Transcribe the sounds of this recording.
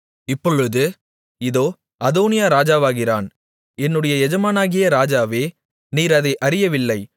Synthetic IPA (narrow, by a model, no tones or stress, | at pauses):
ɪpːɔɻɯðɯ | ɪðoː | ɐðoːnɪjaːɾaːd͡ʒaːʋaːɣɪra̰ːn | ɛnːɯɽɐjɐɛd͡ʒɐmaːnaːɣɪjɐɾaːd͡ʒaːʋeː | niːɾɐðɐɪʔɐɾɪjɐʋɪlːɐɪ